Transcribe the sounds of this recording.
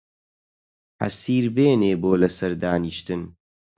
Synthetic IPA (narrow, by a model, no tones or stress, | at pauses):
ħɐ̰siːɾbeːneːboːlɐsɐɾd̪aːniʃt̪ɨn